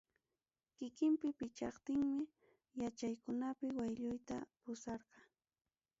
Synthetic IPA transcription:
kɪkɪmpɪpɪt͡ʃɑχt̪ɪŋmɪ | jat͡ʃajkʊnapɪwajʎʊjt̪apʊsɑɾqɑ

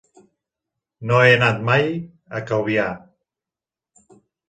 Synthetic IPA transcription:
noenat̪maj | akawβja

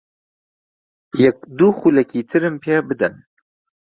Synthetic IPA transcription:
jɛk̚d̪uxulɛkiːt̪ʰɨɾɨmpʰeːbɨd̪ɛn

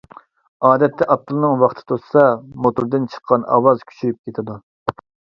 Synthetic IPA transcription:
ɑːd̪ɛt̪ːɛʔɑp̚t̪ʰːɨlˠnɨŋwɑχt̪ʰɨ̥t̪ʰossɑmot̪uɾd̪ɨnt͡ʃʰə̥qʰːɑnɑ̰wɑzkʲʰy̥t͡ʃʰyɾyp̚kʲet̪ʰɪd̪u

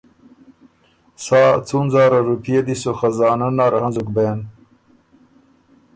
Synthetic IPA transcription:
saːt͡sʰunzaːɾɐɾupʰijed̪isoxɐzaːnɐnaːɾʔɐɦɐnzuk̚beːn

